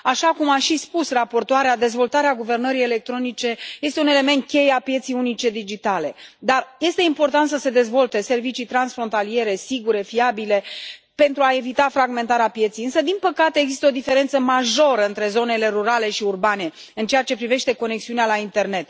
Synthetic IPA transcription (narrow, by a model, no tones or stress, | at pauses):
aʃakumaʃispusrapo̞rt̪oaɾead̪e̞zvo̞lt̪aɾeaɡuve̞rnəɾijele̞k̚t̪ɾo̞nit͡ʃe̞je̞st̪eune̞le̞me̞nt̪̚kʲe̞japje̞t̪sijunit͡ʃe̞d̪id͡ʒit̪ale̞d̪arje̞st̪e̞impo̞rt̪ant̪səse̞d̪e̞zvo̞lt̪e̞se̞rvit͡ʃijt̪ɾansfɾo̞nt̪alie̞ɾe̞siɡuɾe̞fiabile̞ | pe̞nt̪ɾuae̞vit̪afɾaɡment̪aɾeapje̞t̪sijɨnsəd̪inpəkat̪e̞eɡzist̪əo̞d̪ife̞ɾe̞nt̪səmaʒo̞ɾəɨnt̪ɾe̞zo̞ne̞le̞ɾuɾale̞ʃiurbane̞ | ɨnt͡ʃeat͡ʃe̞pɾive̞ʃt̪e̞ko̞neksiunealaint̪e̞rne̞t̪